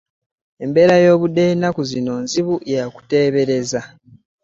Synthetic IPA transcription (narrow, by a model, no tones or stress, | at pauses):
e̞mbe̞ːɾajo̞ːβude̞nːakuzino̞nziβujaku̥te̞ːβe̞ɾe̞za